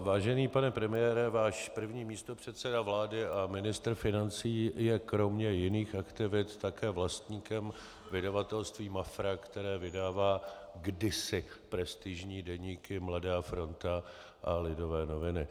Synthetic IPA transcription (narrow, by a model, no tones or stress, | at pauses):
vaːʒɛniːpanɛpɾɛmɪjɛːɾɛvaːʃpr̩vɲiːmiːst̪o̞pr̝̥ɛt̪sɛdavlaːdɪʔamɪnɪst̪rfɪnant͡siːjɛkɾo̞mɲɛjɪniːxakt̪ɪvɪt̪ːakɛːvlast̪ɲiːkɛm | vɪdavat̪ɛlst̪viːmafɾakt̪ɛɾɛːvɪdaːvaː | ɡdɪsɪ | pɾɛst̪ɪʒɲiːdɛɲiːkɪmladaːfɾo̞nt̪a | ʔalɪdovɛːno̞vɪnɪ